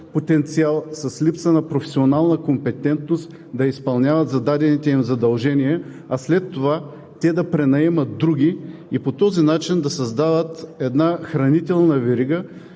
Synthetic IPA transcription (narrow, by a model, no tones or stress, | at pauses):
pot̪ɛnt̪sialˠsɐslipsənɐpɾofɛ̥sionalˠnəkompɛt̪ɛnt̪nost̪ | d̪ɐispɐlˠnʲavɐt̪zɐd̪ad̪ɛnit̪ɛimzɐd̪ɐlˠʒɛniɛ | ɐslɛt̪ːova | t̪ɛd̪ɐpɾɛnɐɛmɐt̪̚d̪ɾuɡʲiipot̪ɔzinat͡ʃind̪ɐsɐzd̪ad̪ət̪ɛd̪naxɾɐnit̪ɛlˠnɐvɛɾiɡə